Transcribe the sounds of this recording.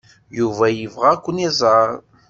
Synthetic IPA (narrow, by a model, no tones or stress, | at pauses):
juvæjəvʁakʷːənizˤɑɾ